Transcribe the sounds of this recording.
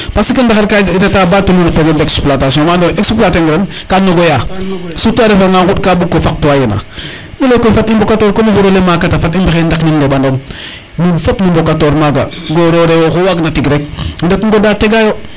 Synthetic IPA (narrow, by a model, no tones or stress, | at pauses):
pasikəndaxaɾkaitatabatununapeɡedeksplatasiõmandoʔeksplateŋɡɾen | kanoɡojasutuaɾefaŋaŋkut̚kabukːofak̚tuajena̰ | ilekofatimbokatoːɾkomufuɾolemakatafatimbaxendakniŋɡebandon | nifopnimbokatoɾmaɡa̰ɡoɾoɾejoxowaɡnatiɡɾek̚ndekŋɡodateɡajo